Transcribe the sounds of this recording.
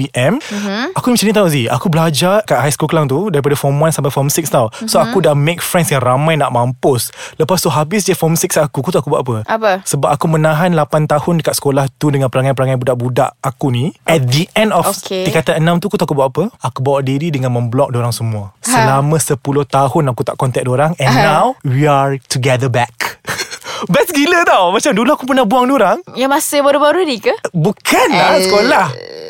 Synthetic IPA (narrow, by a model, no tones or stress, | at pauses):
piʔɛmakunimisanĩt̪auzia̰kubəlad͡ʒakaʔɦajskulkəlaŋt̪udaɾip̬adafɔmuansampajfɔmsik̚st̪awsoakudamek̚fɾɛnsjaŋramãjnaʔmãmpʊsləpast̪uɦabɪs̬dəfɔmsik̚sakukot̪uakubuaʔapəapəsəbap̚akumənãɦanlapant̪ahʊndəkat̪̚sə̥kolaht̪udəŋãnpəɾaŋajpəɾaŋajbudaʔbuda̰ʔakuniɛt̪̚d̪əʔɛ̃ndɔfkedikat̪aənamt̪ukut̪akubawaʔapəakubawaʔdiɾidəŋanmə̃mblɔk̚doɾaŋsəmũasəlamãsəpulʊht̪aɦʊnakut̪a̰ʔkɔnt̪ɛk̚doɾaŋɛ̃nːawwiaɹtuɡɛd̪əbɛk | bɛsɡilət̪awmat͡ʃamdulaakup̬ənahbuaŋdoɾaŋjamasəbaɾubaɾudikəbukʰanlasəkolah